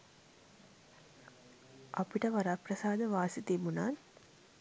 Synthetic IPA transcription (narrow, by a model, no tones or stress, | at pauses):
ʔɐpiʈɐʋɐɾaːprɐsaːd̪əʋaːsit̪ibunaːn